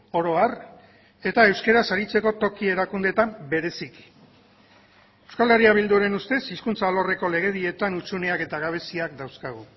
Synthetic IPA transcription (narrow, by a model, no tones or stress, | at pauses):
o̞ɾo̞ar | e̞t̪ae̞wske̞ɾasaɾit͡se̞ko̞t̪o̞kie̞ɾakund̪e̞t̪ambe̞ɾe̞siki̥ | ewskaleriaβ̞ild̪uɾe̞nust̪e̞siskunt͡salo̞re̞ko̞le̞ɣ̞e̞ðie̞t̪anut͡suneake̞t̪aɣaβ̞e̞siak̚d̪awskaɣ̞u